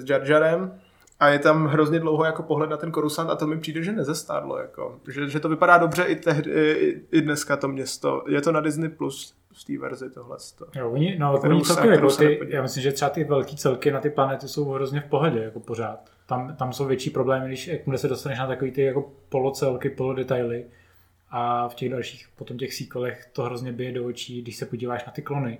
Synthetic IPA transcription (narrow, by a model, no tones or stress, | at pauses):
zd͡ʒaɾd͡ʒaɾɛm | ʔajɛt̪amɦɾo̞zɲɛdlowɦojakopoɦlɛt̪nat̪ɛnko̞ɾusant̪at̪omɪpr̥iːdɛʒɛnɛzɛst̪a̰ːdlo̰ja̰ko̰ʒɛʒɛt̪ovɪpadaːdo̞br̝ɛʔɪt̪ɛɦdɪɪɪdnɛskat̪o̞mɲɛst̪o̰jɛt̪o̞nadɪznɪplus | ft̪ḭːvɛ̰ɾzɪt̪oɦlɛ̰st̪ojooɲɪnojakoɲit͡sɛlkɛmɛjkoɪijaːmɪslɪmʒɛt̪r̥ɛat̪ɪvɛlkiːt͡sɛlkɪnat̪ɪplanɛt̪ɪso̞wɦɾo̞zɲɛfpo̞ɦɛɟɛjako̞po̞ɾ̝aːt̪ːamt̪amsowvjɛt͡ʃiːpɾo̞blɛːmɪɡdɪʃakmdɛsɛdo̞st̪anɛʃnat̪akoviːt̪ɪjako̞po̞lot͡sɛlkɪpo̞lodɛt̪ajlɪ | ʔafcɛɣdalʃiːxpot̪omcɛxsiːkalɛxt̪o̞ɦɾozɲɛbɪjɛdoot͡ʃiːdɪʃsɛpo̞ɟiːvaːʃnat̪ɪklo̞nɪ